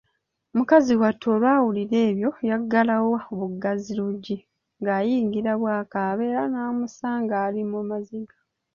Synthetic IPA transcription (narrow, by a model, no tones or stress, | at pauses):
omukaziwatʰːoːlwaːwuliɾe̞ːβjo̞jaɡːalawooβuɡaziluɟːi | ŋɡaːjiːŋɡiɾaβwaːkaːβeːɾanaːmusaːŋɡaːlimumaziɡḁ